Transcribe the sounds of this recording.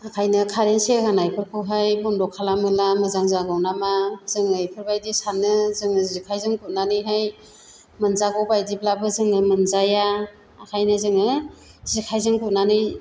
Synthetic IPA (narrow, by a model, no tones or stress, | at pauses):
akʰajnɯkʰaɾensehanajpʰɯɾkʰɯwɦajbɔndɔkʰːalamɯlamɯzaŋzaɡawnamazɯŋɯjpʰɯɾbajdisanɯzɯŋɯzikʰajzɯŋkʰut̚nanɯjɦaj | mɯnzaɡɔwbajdiblabɯzɯŋɯmɯnzajaː | kʰajnɯzɯŋɯ | zikʰajzɯŋkut̚nanɯj